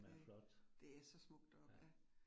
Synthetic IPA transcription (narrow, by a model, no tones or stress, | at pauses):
flɒd̥d̥e̝æsɒ̽smɔ̽ɡ̥̚d̥ɒ̽b̥jæ